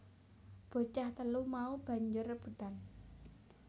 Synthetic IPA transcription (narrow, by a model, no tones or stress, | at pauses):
b̥o̤t͡ʃaht̪əlumaub̥a̤ɲd͡ʒʊrəb̥ṳt̪an